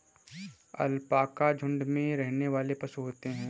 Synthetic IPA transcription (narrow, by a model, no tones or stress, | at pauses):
ɐ̰lpaːkad͡ʒʱʊ̃ɳɖmẽɾɛɦneʋaːlepɐsuɦoːt̪eɦɛ̃ː